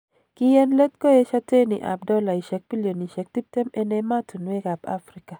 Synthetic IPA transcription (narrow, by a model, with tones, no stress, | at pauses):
kɪ˦jɛ˦nlɛ˦t̪̚ko˦je˦ʃa˦te˦nḭ˨ʔa̰˨b̚dɔ˦la˨i˨ʃɛ˨k̚bi˦ljo˨ni˨ʃɛ˨k̚ti˦p̚tɛ˦mɛ˦ne˦ma˦tʰu˨nwe˦ɡa˨ba̰˦fɾi˦ka˨